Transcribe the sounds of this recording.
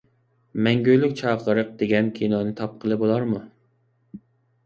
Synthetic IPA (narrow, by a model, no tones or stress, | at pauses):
mɛŋɡʲøjlykʲt͡ʃʰɑːqəɾəq̚d̪eɡʲɛnkʲʰinɑnɪt̪ʰɑp̚qʰəlˠɨbolˠɑɾmu